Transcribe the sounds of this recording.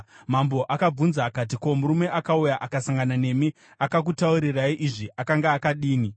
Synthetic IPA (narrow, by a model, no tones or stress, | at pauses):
mambo̞ʔakab͡vunzaːkat̬iko̞muɾume̞ʔakaujaʔakasaŋɡanane̞mi | akak̬utauɾiraiʔiʐiʔakaŋɡaːkaɗiːni